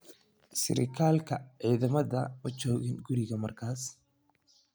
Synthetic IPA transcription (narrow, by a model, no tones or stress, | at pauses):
sɪ̰ɾɪ̰kʰaːlkʰɐʕiːðɐmɐðɐmɐt͡ʃɔːɣɪnɡʊɾɪɣɐmɐrkʰaːs